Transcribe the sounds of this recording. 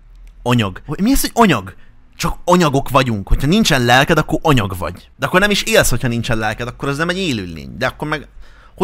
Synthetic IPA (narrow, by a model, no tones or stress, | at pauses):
oɲɒɡomiɛshoɟoɲɒɡ | t͡ʃɒkoɲɒɡo̞kvɒɟuŋkho̞cʰhɒnint͡ʃɛnlɛlkɛd̪ɒkːo̞ɾʔoɲɒɡvɒ̰ɟd̪ɛɒkːo̞rnɛmiʃeːlsho̞chɒnint͡ʃɛnlɛlkɛd̪ɒkːo̞ɾɒznɛmɛɟeːlylːḛːɲd̪ɛɒkːo̞ɾmɛɡ | ho